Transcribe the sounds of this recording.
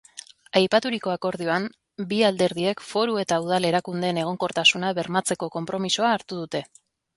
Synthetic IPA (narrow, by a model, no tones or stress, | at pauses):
ajpat̪uɾiko̞ako̞ɾð̞ioam | biald̪e̞ɾðie̞kfo̞ɾue̞t̪auð̞ale̞ɾakund̪e̞ːne̞ɣ̞o̞ŋko̞ɾt̪asunaβe̞ɾmat͡se̞ko̞ko̞mpɾo̞misoaːɾt̪uð̞ut̪e̞